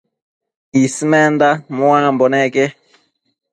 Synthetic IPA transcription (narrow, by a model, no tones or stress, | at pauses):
isimɛndamwambɔnɛkɛ